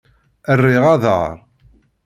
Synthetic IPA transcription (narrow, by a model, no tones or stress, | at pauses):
ərːɪʁɑðə̰ɾˤ